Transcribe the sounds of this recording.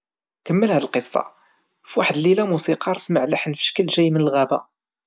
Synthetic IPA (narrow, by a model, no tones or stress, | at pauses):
kəmːəlhæd̪əlqəsˤːɑ̰ | fwaħəd̪lilæmusiqɑɾˤsməʕləħənfə̥ʃkəlʒæjːmənəlɣæbæ̰